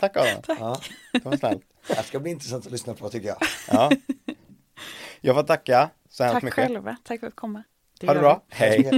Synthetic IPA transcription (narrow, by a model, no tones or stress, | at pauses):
t̪ʰakːalɔ̰ | ɛfsnɛ̰lt̪ | askabliːɪnt̪ɾɛsant̪ɔlʏsnapʰɔt̪ʏkːəjɑ̰ːɑː | jɑːɡfɔʈ̚t̪ːʰakːa | sɔhɛmst̪mʏkkːəɛlvat̪ʰakːfəɾat̪̚kʰɔmːa | haɖɵbɾɑːhɛj